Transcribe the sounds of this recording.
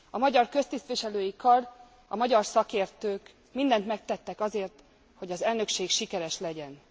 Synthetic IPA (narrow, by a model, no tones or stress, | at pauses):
ɒmɒɟɒrkø̞st̪ist̪ʋiʃɛløːjikɒr | ɒmɒɟɒrsɒkeːrt̪øːk | mind̪ɛnt̪mɛk̚t̪ɛt̪ːɛkɒzeːrt̪ | ho̞ɟɒzɛlnø̞kʃeːkʃikɛɾɛʃlɛɟɛn